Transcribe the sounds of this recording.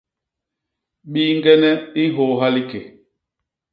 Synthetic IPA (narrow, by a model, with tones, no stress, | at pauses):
ɓi˦ŋ˦ɡɛ˦nɛ˦i˦ɦo˨˦ɦa˦li˦ke˨